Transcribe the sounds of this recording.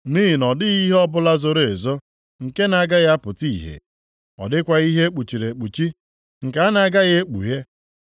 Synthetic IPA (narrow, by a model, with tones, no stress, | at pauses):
niː˦i˨nɔ˨dɪ˦ɣi˦ɦe˦ɔ˦bʊ˦la˦zo˦ɾe˨zɔ˦ | ŋ̩˨ke˦na˨˦ɡa˦ɣja˦pʊ˨ti˦˨ɦḛ˨ | ɔ̰˨dɪ˦kʷa˦ɣi˦ɦe˦k͡pu˨t͡ʃi˨ɾe˨k͡pu˨t͡ʃi˦ | ŋ̩˨ka˨a˦na˨˦ɡa˦ɣe˦e˦k͡pṵ˨ɦe˦